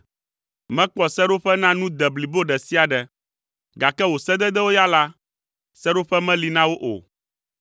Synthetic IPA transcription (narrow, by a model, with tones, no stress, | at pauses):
mɛ̃˦k͡pɔ˨sɛ˦ɖo˦ɸɛ˦nã˦nũ˦d̪ɛ˨bli˨bo˦ɖɛ˨si˦a˨ɖɛ˨ | ɡa˨kɛ˦wo˨sɛ˦d̪ɛ˦d̪ɛ˦wo˦ja˦la˦ | sɛ˦ɖo˦ɸɛ˦mɛ̃˦li˨nã˦wo˦ʔo̰˨